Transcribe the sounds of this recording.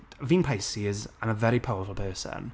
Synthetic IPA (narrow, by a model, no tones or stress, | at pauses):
vĩnpʰajsiɪzə̃nəvɛɾipʰawəfəlˠpʰɜːsə̰n